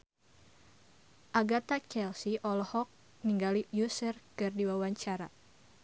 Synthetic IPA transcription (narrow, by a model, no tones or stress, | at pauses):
ʔaɡat̪at͡ʃɛlsiʔɔlɔhɔk̚ | niŋɡalijusərkɨrdiwawaɲt͡ʃaɾa